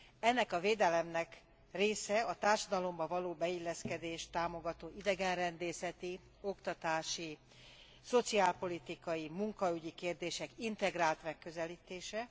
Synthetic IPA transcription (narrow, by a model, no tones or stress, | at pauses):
ɛnːɛkɒveːd̪ɛlɛmnɛk | reːsɛɒt̪aːrʃɒd̪ɒlo̞mbɒvɒloːbɛilːɛskɛd̪eːʃt̪aːmo̞ɡɒt̪oːʔid̪ɛɡɛnrɛnd̪eːsɛt̪i | o̞kt̪ɒt̪aːʃi | so̞t̪siaːlpo̞lit̪ikɒjimuŋkɒyɟikeːrd̪eːʃɛkint̪ɛɡraːlt̪mɛkːø̞zɛliːt̪eːʃɛ